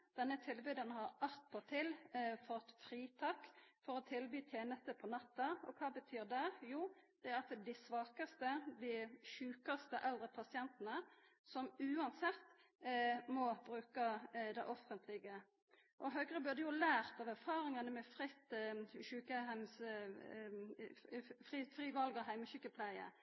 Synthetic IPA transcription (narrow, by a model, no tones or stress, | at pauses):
d̪̥ɛnːət̪ʰɪlbyːd̪ɑnhɑɾɑlt̪̚pʰɔt̪ʰɪlfɔt̪fʁiːt̪ʰɑkfɔɾɔt̪ʰɪlbyːt̪ʰjeːnəst̪əpʰɔnɑt̪ːɑɔ̰kʰɑːbət̪ʰyːɾd̪ɛjuːd̪̥ɛæɾfɔd̪ɪsʋɑːkɑst̪əd̪ɪʃʉːkɑst̪əʔɛlʁəpʰɑsɪɛnt̪ənəsɔmʉːɑnsɛt̪ː | mɔbʁʉːkɑd̪æɪʔɔfənt̪ʰlɪɡə | ʔɔɦœʏɡʁəbʉʁd̪əjʊlæːʁt̪ɑʋæʁfɑːʁɪŋɑnəmɛfʁɪt̪ːʃʉːkəhæɪms | ffɾiːʋɑlɡəɦæɪməɕʉkːəpʰlæɪə̰